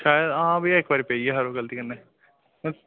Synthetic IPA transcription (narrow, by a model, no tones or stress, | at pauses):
ʃaːjəd̪ɐɦãbʱieːkʋaːɾipeːieɦɐɾoɡəlt̪iːkɐnneː